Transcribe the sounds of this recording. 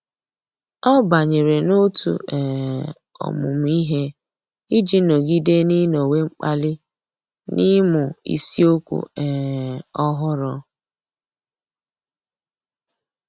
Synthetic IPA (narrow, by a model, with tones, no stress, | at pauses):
ɔ˦ba˨ɲe˨ɾe˨no˦tṵ˨ʔɛ˨ | ɔ̰˨mʊ̰˨m̩˨˦i˦ɦe˦ | i˦d͡ʒi˦no˨ɡi˦de˦ni˦no˨we˦ŋ͡m̩˦k͡pa˦lɪ˦ | ni˦mʊ˨ḭ˨si˦o˦kʷṵ˨ɛ˨ɔ˦ɦʊ˦ɾɔ˦